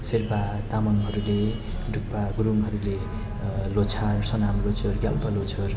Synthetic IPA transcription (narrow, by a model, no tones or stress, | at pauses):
sierpat̪amʌnɦʌɾule | ɖʱuk̚paɡuɾumɦʌɾule | lot͡sʰarsʌnamlot͡sʰʌrɡjalpʌlot͡sʰʌr